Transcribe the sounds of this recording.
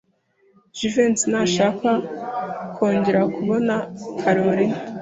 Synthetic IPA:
ʒivensinaːʃaːka | kʰo̞ːɲɟe̞ɾakuβo̞nakʰaɾoɾi

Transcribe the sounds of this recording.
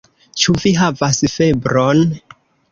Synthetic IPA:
t͡ʃuviɦavasfe̞bɾon

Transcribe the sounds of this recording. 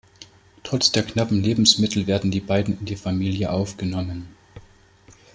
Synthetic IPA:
tʁ̥ɔt͡sd̥eːɐknapm̩leːbm̩smɪtʰl̩veːɐdn̩diːbaɪdn̩ɪndeːfamiːljəʔaʊfɡ̥ənɔmən

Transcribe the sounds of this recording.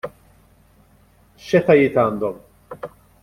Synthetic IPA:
ʃɛt̪ɐjɪːt̪ɐːnd̪ɔm

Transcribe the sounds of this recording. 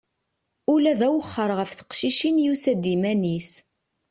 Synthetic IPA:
ulæðæwəχːəɾˤʁəfθə̥qʃiʃinjusæd̪imænis

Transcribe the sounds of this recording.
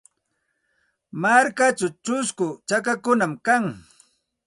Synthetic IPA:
maɾkat͡ʃawt͡ʃʊskʊt͡ʃak̬akʊnamkaŋ

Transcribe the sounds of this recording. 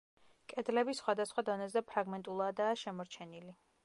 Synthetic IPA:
kʼɛd̪lɛbisχwad̪asχwad̪ɔnɛzɛpʰɾaɡmɛnt̪ʼulˠad̪aːʃɛmɔɾt͡ʃʰɛnili

